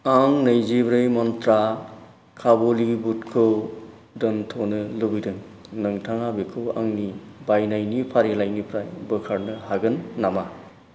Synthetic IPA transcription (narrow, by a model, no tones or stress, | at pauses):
aŋnɐjzebɾɯjmɔntɾa | kʰabolibutkʰɯw | dɯntʰonɯlɯbidɯŋ | nɯŋtʰaŋabekʰɯwa̰ŋnibajnajnipʰaɾelajnipʰɾajbɯkʰaɾnɯɦaɡɯnːama